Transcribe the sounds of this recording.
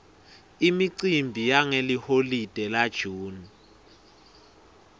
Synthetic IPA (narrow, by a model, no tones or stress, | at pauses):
imiǀimbʱijaŋeliholid̥ʱɛlad̥ʒ̥ʱuːni